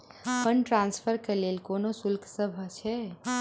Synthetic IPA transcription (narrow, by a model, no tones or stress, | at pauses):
pənʈɾanspʰəɾkelelkonosulkʰsəbʱət͡ʃʰɛ